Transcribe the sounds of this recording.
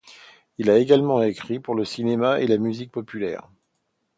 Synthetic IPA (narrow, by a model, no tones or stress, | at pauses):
ilaeɡalmɑ̃ekχipuʁləsinemaelamyzik̚pɔpylɛ̰ːʁ